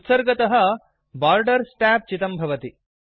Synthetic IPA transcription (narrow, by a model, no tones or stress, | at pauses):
t̪sɐɾɡɐt̪ɐɦɐ̆ | baːɾɖɐɾsʈæːp̚t͡ʃit̪ɐmbʱɐʋɐt̪i